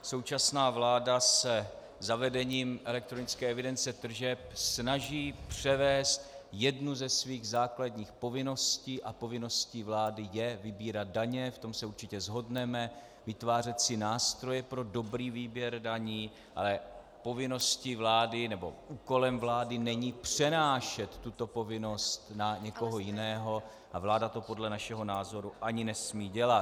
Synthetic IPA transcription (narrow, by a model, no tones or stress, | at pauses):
so̞wt͡ʃasnaːvlaːdasɛ | zavɛdɛɲiːmʔɛlɛk̚t̪ɾonɪt͡skɛːɛvɪdɛnt͡sɛt̪r̩ʒɛp̚snaʒiːpr̝̥ɛvɛːst̪jɛdnuzɛsviːɣzaːkladɲiːxpo̞vɪno̞sciːʔapo̞vɪno̞sciːvlaːdɪjɛvɪbiːɾat̪̚daɲɛft̪o̞msɛuɾt͡ʃɪcɛzɦo̞dnɛmɛ | vɪt̪vaːr̝ɛt̪sɪnaːst̪ɾo̞jɛpɾo̞do̞bɾiːviːbjɛɾdaɲiː | ʔa̰lɛ | po̞vɪno̞scivlaːdɪnɛbo̞̰ʔuːko̞lɛmvlaːdɪnɛɲiːpr̝̥ɛnaːʃɛt̪ːut̪o̞po̞vɪno̞st̪naɲɛko̞ɦo̞jɪnɛːɦo̞ | ʔavlaːdat̪o̞po̞dlɛnaʃɛɦo̞naːzo̞ɾuʔaɲɪnɛsmiːɟɛlat̪